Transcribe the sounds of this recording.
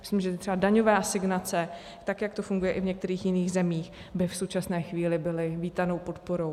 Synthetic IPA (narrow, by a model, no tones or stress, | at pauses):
mɪslɪmʒɛt̪ɪt̪r̥ɛbadaɲovaːsɪɡnat͡sɛ | t̪akjak̚t̪o̞fuŋɡujɛʔɪvɲɛk̚t̪ɛɾiːxjɪniːɣzɛmiːx | bɪfso̞wt͡ʃasnɛːxviːlɪbɪlɪviːt̪ano̞wpot̪poɾo̞w